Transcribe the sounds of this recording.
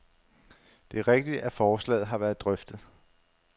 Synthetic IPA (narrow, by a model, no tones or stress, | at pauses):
d̥e̝æɐʁeɡ̥̚d̥id̥æfɒːslɛ̰ːð̩ˠɦɑ̈ʋæɐðˠd̥ʁœfd̥ð̩ˠ